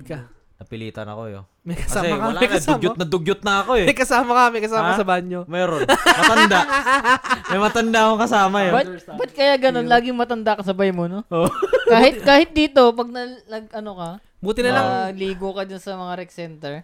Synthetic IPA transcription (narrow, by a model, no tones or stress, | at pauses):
kɐ | nɐpɪlḭːt̪ɐ̰nɐ̰kojo̰ | mɐkɐskɐaːsɛɛad̪ʊɡd͡ʒʊnɐd̪ʊɡ̚d͡ʒʊt̪̚nɐɐkoɛmɐjkɐsaːmɐkɐmɐjkɐsaːmɐsɐbaɲɲomɛːɾonmɐt̪ɐnd̪a | mɐjmɐt̪ɐnd̪aʔɐkoŋkɐsaːmɐjobɐt̪̚bɐt̪̚kɐjaʔɡɐno̞nlaːɡɪŋmɐt̪ɐnd̪akɐsɐbɐjmonoʔokaːhɪt̚kaːhɪt̪̚d̪iːt̪o̞pɐɡ̚nɐnɐɡɐnokɐ | buːt̪ɪnɐlaŋliːɡokɐd͡ʒ̪ʊnsɐmɐŋaɾɛksɛnt̪ɛɹ